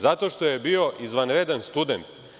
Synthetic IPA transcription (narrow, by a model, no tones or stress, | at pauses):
zat̪o̞ʃt̪o̞je̞bio̞ʔizʋanɾed̪anst̪ud̪e̞nt̪